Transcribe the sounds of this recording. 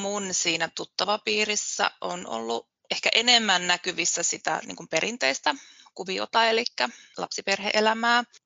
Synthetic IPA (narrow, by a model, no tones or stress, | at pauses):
munsiːnæt̪ut̪ːɑʋɑpiːrisːæ̰ʔo̰no̰lːu | ehkæʔenemːænnækyʋisːæsit̪æ̰nḭːŋkumpeɾint̪eist̪ækuʋio̰t̪ɑelikːælɑ̰psiperhḛʔelæmæː